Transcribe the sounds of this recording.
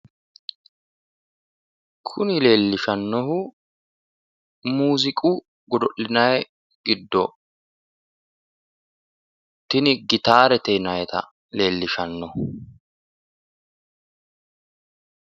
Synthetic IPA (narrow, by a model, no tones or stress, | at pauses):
kʰʊnɪle̞ːlːɪʃɐnːɔhʊ | muːzɪkʼu | ɡɔd̪ɔʔɪnɐjɛ | ɡɪd̪ːɔ | t̪ɪnɪɡɪt̪aːɾɛt̪ɛnɐjɛt̪ɐ̰ | le̞ːlːɪʃɐnːɔh